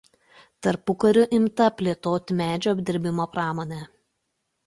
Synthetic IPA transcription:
t̪ɐɾpʊkɐɾʲʊʔɪmt̪ɐpʲlʲeːt̪oːt̪ʲɪmʲæːd͡ʒʲoːɐbʲd̪ʲɪɾʲbʲɪmoːpɾɑːmoːnʲɛ

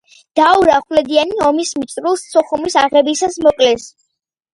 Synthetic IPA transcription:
d̪̥auɾaχwlɛd̪ianiɔmismit̪sʼɾulˠst̪sʰɔχumisaʁɛbisasmɔkʼlɛs

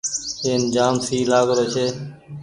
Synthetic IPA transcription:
eːnd͡ʒaːmsʰiːlaːɡɾoːt͡ʃʰeː

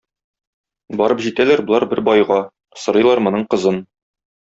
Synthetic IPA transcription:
bɒɾɤpʑit̪ælæɾbŏlˠɑɾbɘɾbɒjʁɑ | sɤ̆ɾɤ̆jlˠɑɾmŏnɤɴqɤ̆zɤn

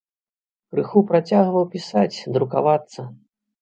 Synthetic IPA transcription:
kɾɨxupɾat͡sʲaɣvɐwpʲisat͡sʲd̪ɾuka̰vat̪sːɐ

